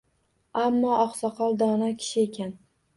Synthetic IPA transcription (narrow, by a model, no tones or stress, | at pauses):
amːɒʔɒqsɒqʰɒlˠd̪ɒnakʲʰɪ̥ʃɪekʲʰan